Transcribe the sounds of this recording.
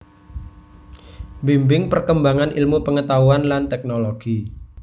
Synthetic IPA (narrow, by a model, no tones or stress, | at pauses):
bimbɪŋpərkəmbaŋanʔḭlmupəŋət̪auanlant̪ɛk̚noloɡ̥i